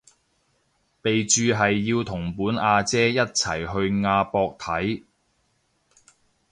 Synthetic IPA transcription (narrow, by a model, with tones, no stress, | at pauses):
pe˨jt͡ʃyː˨˧ɦɐ˨jːiː˧wt̪ʰʊ˨˩ŋpuː˨˥naː˧t͡sɛː˥jɐ˥t̚t͡sʰɐ˨˩jɦɵ˧ɥŋaː˧pɔː˧k̚t̪ʰɐ˨˥j